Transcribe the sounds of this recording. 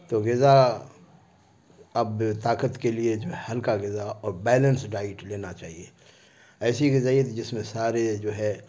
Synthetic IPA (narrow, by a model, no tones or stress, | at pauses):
t̪oɡɪza | ɐbt̪aːkət̪kelied͡ʒoːɦɛhɐlkaɡɪzaɔːɾbɛːlə̃nsɖaːɪʈleːnat͡ʃaːɦie | ɛːsiɡɪzaːiet̪d͡ʒɪsmẽsaːɾed͡ʒoːɦɛ